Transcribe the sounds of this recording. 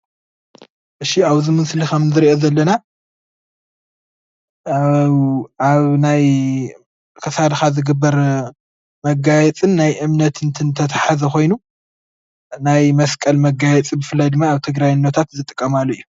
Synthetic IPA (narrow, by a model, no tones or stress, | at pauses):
ʔɨʃiaβzimɨnslikʰɐmzɨɾiʔozɐlːɐna | aβnaj | kʰɐsad̪xazɨɡɨbːɐɾ | mɐɡajɛt͡sʼɨnːajʔɨmnɐt̪ʰɨnt̪ʰɨnt̪ʰɐt̪ʰaħazɐko̞jnu | najmɐskʼɐlmɐɡajɛt͡sʼibɨfɨlːajd̪ɨmːaːβt̪ʰɨɡɾajɨnːɐt̪ʰat̪zɨt̪ʼɨkʼːɐmalːɐijːu